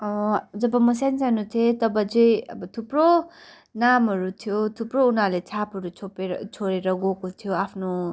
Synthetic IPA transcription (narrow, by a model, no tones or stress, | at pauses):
ʌd͡zʌbʌmʌsansanut̪ʰet̪ʌbʌd͡zʌjʌ̰bʌt̪ʰupro | namɦʌɾut̪ʰijot̪ʰuprounarlet͡sʰapɦʌɾut͡sʰopet͡sʰoɾeɾʌɡokot̪ʰijoapʰno